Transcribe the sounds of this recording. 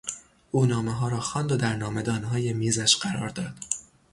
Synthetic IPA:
ʔuːnɒːmeɦɒːɾɒːxɒːnd̪od̪æɾnɒːme̞d̪ɒːnɦɒːje̞miːzæʃɢæɾɒːɾd̪ɒːd̪̥

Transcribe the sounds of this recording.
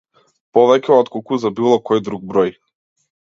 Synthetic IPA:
pɔvɛcɛɔt̪kɔkuzabilˠɔkɔjd̪ɾuɡ̚bɾɔj

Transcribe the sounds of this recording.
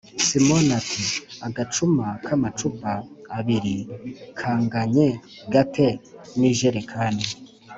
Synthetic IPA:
simonatʰiaɡat͡ʃumakʰamat͡ʃubaːβiɾikʰaːŋɡaɲe | ɡatʰe̞niʒeɾekʰaːne

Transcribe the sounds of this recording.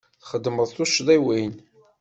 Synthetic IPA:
θχəd̪ːməðˤθuʃðiwin

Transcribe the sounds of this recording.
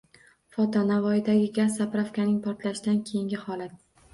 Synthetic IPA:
fɒt̪ʰɒnavɒjɪd̪aɡʲɪɡʲazːapɾafkʲanɪŋpʰɒɾt̪laʃɪd̪ankʲʰe̞jɪŋɡʲɪhɒlat̪̚

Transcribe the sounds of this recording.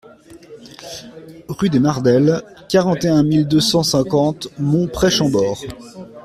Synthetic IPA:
ʁyd̪enaʁd̪ɛlkʲaʁɑ̃t̪eɛ̃mild̪øsɑ̃sɛ̃kɑ̃t̪mɔ̃pχɛʃɑ̃bɔːʁ

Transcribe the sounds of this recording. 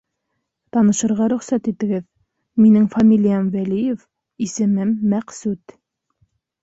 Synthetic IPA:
t̪ɑnɤ̆ʃɤ̆ɾʁɑɾɵ̆χsæt̪it̪ɘ̆ɡɘð | minɘŋfamʲilʲijamwælijef | isɘ̆mɘmːæqsʉt̪

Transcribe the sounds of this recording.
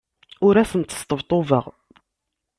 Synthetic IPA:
ʊɾæsənt̪ə̥st̪əvt̪ˤovə̰ʁ

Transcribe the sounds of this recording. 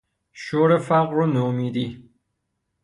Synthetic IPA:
ʃoːɾefæqɾonoːmiːd̪i

